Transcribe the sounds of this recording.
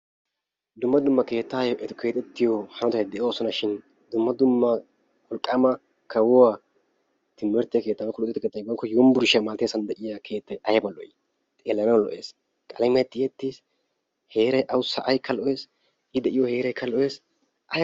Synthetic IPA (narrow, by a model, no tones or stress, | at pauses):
d̪ʊmːɐd̪ʊmːɐke̞ːt̪ːaːjɔʔɛt̪kʰe̞ːt̪ʼɛt̪ːɪjɔhɐnɔt̪ɐjd̪ɛʔoːsɔnɐʃɪn | d̪ʊmːɐd̪ʊmːɐ | wɔlkʼːamɐ | kʰɐwʊwaː | t̪ɪmːɛɾt̪ːɪjke̞ːt̪ːɐmɛkɔlʊt̪ʼːɪt̪ːɪkeːt̪ːɐjbɐŋkːɔjɔmbʊɾɪʃɪɐmaːt̪esɐnd̪ɛʔɪjɐkʰe̞ːt̪ːɐjʔɐjɐbɐlɔ̰ʔjɪ | t̪ʼeːlːɐnɐwlɔ̰ʔe̞ːs | kʼɐlɛmɐjt̪ːɪjɛt̪ːis | he̞ːɾɐjʔɐwʊsɐʔɐjkʰːɐlɔʔe̞ːs | ɪd̪ɛʔɪjɔhe̞ːɾɐjkʰːɐlɔʔeːs | ʔɐj